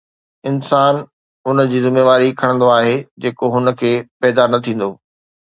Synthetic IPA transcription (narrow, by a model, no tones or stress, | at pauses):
ɪnsaːn | ɦʊnəd͡ʑiːzɪmeːʋaːɾikʰɐɽ̃ə̃nd̪oaːɦed͡ʑeːkoɦʊnə̆kʰeːpɛːd̪anɐt̪ʰĩːn̆d̪oː